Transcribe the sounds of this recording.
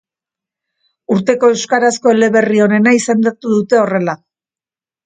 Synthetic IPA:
uɾt̪e̞ko̞e̞wskaɾasko̞ele̞βe̞rio̞ne̞naise̞nd̪at̪uðut̪e̞o̞re̞la

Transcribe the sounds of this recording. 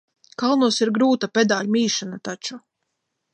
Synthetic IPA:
kalˠnuɔsiɾɡɾuːt̪apʲɛd̪aːlmʲiːʃanat̪at͡ʃu

